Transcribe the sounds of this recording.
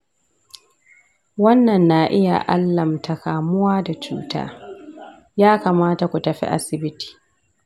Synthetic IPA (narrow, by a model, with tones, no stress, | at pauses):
wɐ˦nːɐ˨nːa˦ʔɪ˦ja̰˨ʔa˦lːɐ˨mta˨kaː˨mʊ˦waː˦da˨t͡ʃṵː˦ta̰ː˦ | jaː˦kaː˨maː˦ta˨kʷu˨tɐ˨ɸḭ˦ʔa̰˦sɪ˨bɪ˦ti̥ː˨